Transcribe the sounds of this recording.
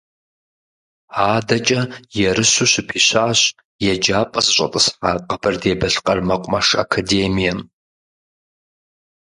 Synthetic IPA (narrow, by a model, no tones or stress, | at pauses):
aːdɐt͡ʃʼɐjɛrɨɕuɕɪpʰiːɕaːɕ | jɛd͡ʒaːpʼɐsɨɕʼɐ̰tʼɨsħaːqɐbʰɐrdeːbɐɬqʼɐrmɐqʷʼʊmɐʂa̰kʰadeːmijɛm